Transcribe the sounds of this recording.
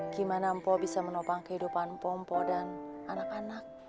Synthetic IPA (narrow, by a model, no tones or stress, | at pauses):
ɡ̥imanampɔbisamənɔpaŋkəhidupanmpɔmpɔdananakanak̚